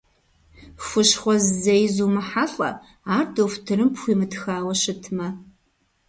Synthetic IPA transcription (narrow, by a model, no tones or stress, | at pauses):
fʷʊɕχʷɔzzɐjzuːmɨħaɬʼɐ̰ | aːrdoːfʷtʰɨɾɨmpxʷiːmɨtxaːwɐɕɨtʰmɐ